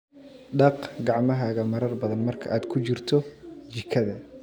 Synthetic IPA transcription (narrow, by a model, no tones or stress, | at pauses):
ɖɑqɡɑʕmɐɦaːɣɐmɐɾɐrbɐðɐnmɐrkʰɐʔaːd̪kʰʊt͡ʃɪrt̪ʰɔt͡ʃɪkʰɐðɐ